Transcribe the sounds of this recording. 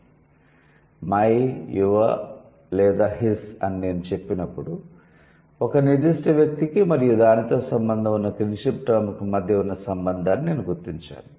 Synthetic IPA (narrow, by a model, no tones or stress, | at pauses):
mɐjjuʋɐ̰ | lɛːd̪aːɦisɐnine̞ːnut͡ʃe̞pːinɐpːuɽu | ɔkɐnid̪iʂʈɐʋjɐk̚t̪ikimɐɾijud̪aːnit̪o̞ːsɐmbɐnd̪ʱɐmunːɐkɾinʂipʈɐmɐkumɐd̪ʱjɐunːɐsɐmbɐnd̪ʱaːnːine̞ːnuɡuɾt̪iɲt͡ʃa̰ːnu